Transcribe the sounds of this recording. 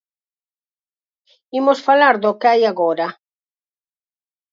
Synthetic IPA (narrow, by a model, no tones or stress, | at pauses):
imosfalaɾðokeajaɣɔɾa